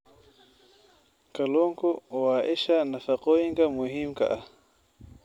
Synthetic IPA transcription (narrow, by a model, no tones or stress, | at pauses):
kaloŋkowaːʔeʃanafaqojiŋɡamuɦimka̰ʔa